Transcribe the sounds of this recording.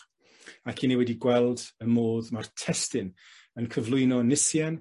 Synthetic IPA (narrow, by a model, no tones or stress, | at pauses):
akʰinewɛdiɡwɛlˠdəmoːðmartʰɛstɪn | ənkʰəvlˠʊɨnɔnɪsjɛn